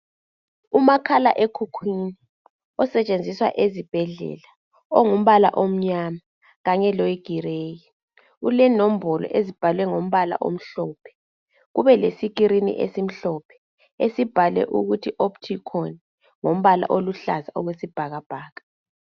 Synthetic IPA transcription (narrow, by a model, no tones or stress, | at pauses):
umakʰala̰ʔekʰukʰwini | ɔsɛt͡ʃʼend͡zʱiswa̰ʔezib̥ʱɛɮɛ̰la | ɔŋum̩βala̰ʔom̩ɲama | ɣaɲɛlojiɡ̥ʱireːji | ulɛnom̩bʱɔlɔ̰ʔezib̥ʱalwɛŋom̩βala̰ʔo̰m̩ɬɔːpʰɛ̥ | ɣuβɛlesik̬ʼiɾinḭʔḛsim̩ɬɔpʰɛ̥ | esib̥ʱalɛ̰ʔṵɣutʰiʔoptʰikʰɔn | ŋom̩βala̰ʔoluɬa̰zaʔɔɣwesib̥ʱaɣab̥ʱaːɣa